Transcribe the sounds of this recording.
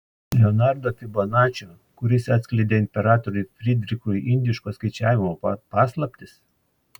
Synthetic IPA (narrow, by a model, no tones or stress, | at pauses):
lʲɛɔnɑɾd̪oːp̪ʲɪbɐnɑːt͡ʃʲo | kʊɾʲɪsɑt̪sʲklʲɛɪd̪ʲeːɪnʲpʲɛɾɑːt̪ɔɾʲʊɪfʲɾʲɪd̪ʲɾʲɪkɾʊʔɪnʲd̪ʲɪʃkoskɐɪt͡ʃʲæːʋʲɪmopɑːslˠɐpʲt̪ʲɪs